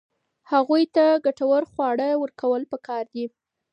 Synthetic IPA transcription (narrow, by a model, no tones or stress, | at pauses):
haɣujt̪aɡaʈawəɾxwɑɽəwəɾkawəlpəkɑɾd̪i